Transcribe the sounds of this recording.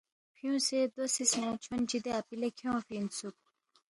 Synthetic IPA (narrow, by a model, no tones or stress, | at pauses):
pʰijũːsed̪wosismõt͡ɕʰwɐnd͡ʑid̪eapilekʰjõːfinsuk̚